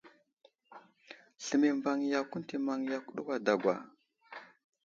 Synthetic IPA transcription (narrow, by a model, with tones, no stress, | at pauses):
ɬə˨mi˨mva˨ŋ˨ja˨ku˦n˦ti˨ma˨ŋja˨ku˦ɗu˦kʷa˨da˨ɡʷa̰˨